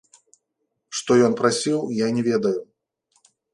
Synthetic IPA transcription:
ʂt̪ɔjɔnpɾasʲiwjanʲɛvʲed̪ɐju

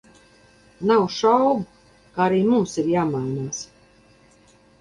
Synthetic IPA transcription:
nawʃawɡu | kaːaɾiːmumsiɾjaːmajnaːs

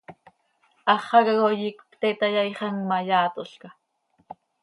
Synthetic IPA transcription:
ɑχɑɣaɣojikkt̪et̪ajajχɑŋmɑjaːt̪oɬka

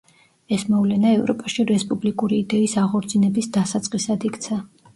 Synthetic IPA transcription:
ɛsmɔvlɛnaɛvɾɔpʼaʃiɾɛspʼublikʼuɾiːd̪ɛisaʁɔɾd̪zʰinɛbisd̪asat̪sʼqʼisad̪ikʰt̪sʰa

